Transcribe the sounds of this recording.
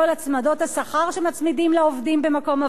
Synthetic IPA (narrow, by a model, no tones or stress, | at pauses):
olat͡smado̞thasaχaʁʃemat͡smidimlaovdimbe̞mako̞ma